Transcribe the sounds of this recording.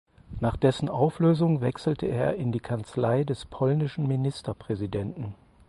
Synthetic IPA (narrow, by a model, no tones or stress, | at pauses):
naːχd̥ɛsn̩ʔaʊfløːzʊŋvɛksl̩təeːɐɪndiːkʰant͡slaɪdɛspʰɔlnɪʃn̩minɪstɐpʁ̥ɛzidɛntn̩